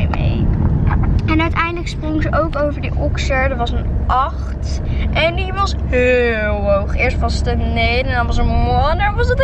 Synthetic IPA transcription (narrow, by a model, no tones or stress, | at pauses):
mḛj | ɛnœɥtɛjndələksprʊŋzəʔowkowvəɹdiʔɔksəɹdəɹʋɑsənʔɑχt | ʔɛndiʋɑsɦɪlˠʋowχɪːɹstʋɑstənejdəndɔnʋɑs̬əwɔnəʋɑsət